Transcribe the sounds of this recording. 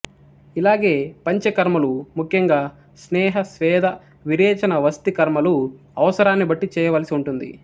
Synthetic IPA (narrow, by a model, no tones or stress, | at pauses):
ilaːɡe̞ːpɐɲt͡ʃekɐɾmɐlumukʰjɐŋɡaː | snɛːɦɐsʋɛːd̪ʱɐ | ʋiɾɛːt͡ʃɐnɐʋɐst̪ikɐɾmɐlu | ɐʋɐsɐɾaːnːibɐʈːit͡ʃɛːjɐʋɐːlɐsiuɳʈund̪ḭ